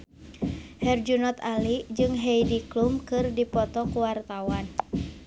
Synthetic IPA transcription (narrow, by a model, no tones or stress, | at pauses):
hɛrd͡ʒunɔt̪alid͡ʒɨŋɦejdiklumkɨrdipɔt̪ɔkuwart̪awan